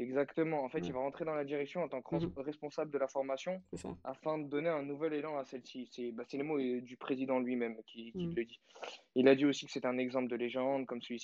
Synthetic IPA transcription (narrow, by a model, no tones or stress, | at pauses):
ɛɡzakt̪əmɑ̃ːfɛt̪ilvaʁɑ̃t̪χed̪ɑ̃lad̪iʁɛksjɔ̃ɑ̃t̪ɑ̃kʁɛspɔ̃sabləd̪əlafɔʁmasjɔ̃a̰fɛ̃d̪əd̪ɔneɛ̃nuvɛlelɑ̃asɛlsisɛbasɛləmod̪ypχezid̪ɑ̃lɥimɛmkʲʰikʲilːəd̪iilad̪iosi̥kə̥set̪ɛɛ̃nɛɡzɑ̃pləd̪əleʒɑ̃d̪̚kɔmsəlɥis